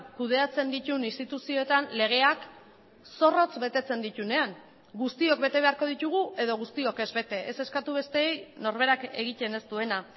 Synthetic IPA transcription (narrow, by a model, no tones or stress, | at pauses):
kuð̞e̞at͡se̞nd̪it̪uninst̪it̪usio̞et̪anle̞ɣ̞e̞ak | so̞ro̞t͡sbe̞t̪e̞t͡se̞nd̪it̪une̞aŋ | ɡust̪io̞k̚be̞t̪e̞β̞e̞aɾko̞ð̞it̪uɣ̞ue̞ðo̞ɣust̪io̞ke̞zβe̞t̪e̞ʔese̞skat̪uβ̞e̞st̪e̞ːjno̞ɾβe̞ɾake̞ɣ̞ic̪e̞ne̞st̪ue̞na